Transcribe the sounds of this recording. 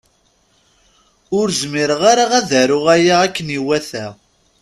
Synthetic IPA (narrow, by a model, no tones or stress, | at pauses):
ʊɾzmiɾəʁaɾaʁæðəɾʊʁæjaːkːəniwæθæ